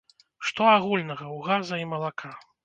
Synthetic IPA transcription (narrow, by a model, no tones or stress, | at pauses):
ʂt̪ɔaɣulʲnɐɣɐwɣazɐimɐlˠakʰa